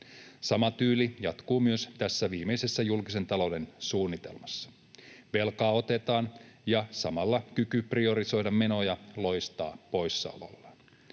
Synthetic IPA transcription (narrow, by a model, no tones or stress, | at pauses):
sɑmɑt̪yːlijɑt̪kuːmyøst̪æsːæʋiːme̞jse̞sːæjulkise̞nt̪ɑlo̞wde̞nsuːnːit̪e̞̰lmɑsːɑ̥ | ʋe̞lkɑːo̞t̪e̞t̪ɑːnjɑsɑmɑlːɑkykyprio̞ɾiso̞jdɑmme̞no̞jɑlo̞jst̪ɑ̰ːpo̞jsːɑ̰olo̰lːɑ